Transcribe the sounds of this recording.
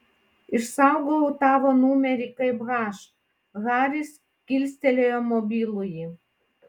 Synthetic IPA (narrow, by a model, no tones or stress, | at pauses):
iʃsɑwɡowt̪ɑʋonumʲeɾʲikɐɪbɣɑʃ | ɣɑɾʲis | kʲilʲst̪ʲelʲeomobʲilˠuji